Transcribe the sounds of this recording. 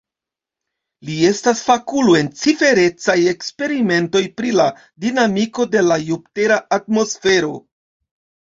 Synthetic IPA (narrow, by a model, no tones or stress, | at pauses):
lie̞stasfakulue̞nt͡sife̞ɾe̞t͡saje̞kspe̞ɾime̞nto̞jpɾila | dinamiko̞de̞lajup̚te̞ɾaʔat̚mo̞sfe̞ɾo̞